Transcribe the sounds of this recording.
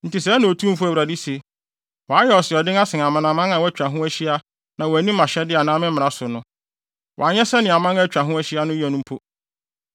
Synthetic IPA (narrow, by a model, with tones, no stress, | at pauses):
n̩˨tɪ˨sɛ˦nã˨o˨tʰũ˦m̩˦fʊ˦æ˨wɾa˨di˦se˨ | wɔ˨a˦jɛ˦ɔ˨sɪ˨ɔ˨dɪ̃˦ŋa˦sɪ̃˨n˨a˨mã˨nã˨mã˦ŋã˨wɔ˦æ˦t͡ɕᶣa˨ɦʊ̃˦æ˦ɕi˦a˦ | nã˨wɔ˨æ˨nĩ˦m˦ã˨ɕɛ˦dɪ˦a˨nã˨˦mɪ̃˦mɪ̃˨ɾa˨sʊ˨nʊ̃˦ | wɔ̰˨a˨ɲɛ˦sɛ˦nɪ̃˨a˨mã˦ŋa˦˨t͡ɕᶣa˨ɦʊ̃˦æ˦ɕi˦a˦nʊ̃˦jɛ˨nʊ̃˦m̩˦pʰo˦